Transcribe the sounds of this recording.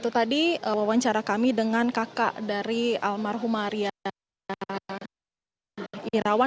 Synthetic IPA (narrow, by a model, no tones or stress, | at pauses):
t̪ut̪adiwawaɲt͡ʃaɾakamidəŋankaka̰ʔdaɾialmarɦumaɾia | iɾawa